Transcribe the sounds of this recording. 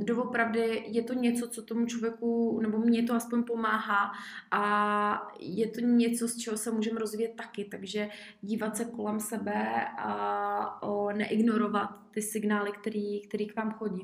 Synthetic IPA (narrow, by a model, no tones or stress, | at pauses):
ɡdovo̞pɾavdɪjɛt̪o̞ɲɛt͡so̞t͡so̞t̪o̞mut͡ʃlovjɛkunɛbo̞mɲɛt̪̬oaspoɲpo̞maːɦaːʔa | jɛt̪oɲɛt͡so̞st͡ʃɛɦosɛmuːʒɛmɾo̞zviːjɛt̪̚ːakɪt̪aɡʒɛ | ɟiːvat̪sɛko̞lɛmsɛbɛʔa | nɛʔɪɡno̞ɾo̞vat̪ːɪsɪɡnaːlɪkt̪ɛɾiːkt̪ɛɾiːkvaːmxo̞ɟi